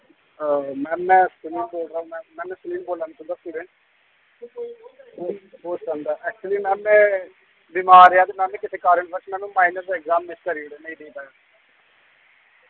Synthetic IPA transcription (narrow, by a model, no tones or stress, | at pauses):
mɛ̃ːmɛ̃ːsɪãːboːlɾaːmɛ̃ːmɛ̃ːnɛ̃ːsəlĩːnboːlːaːniːt͡ʃʰʊ̃nd̪aːsiːɾẽːɳ | oːoːsə̃nd̪aːʔɛːk̚t͡ʃuliːmɛ̃ːmɛ̃ | biːmaːɾejaːd̪eːmɛ̃ːmẽːkɪt̪ʰeːkaːɾəɳbət͡ʃmɛ̃ːnũːmaːinəɾsɪkzaːmːɪskəɾiɽeːneĩːd̪eiːpajaː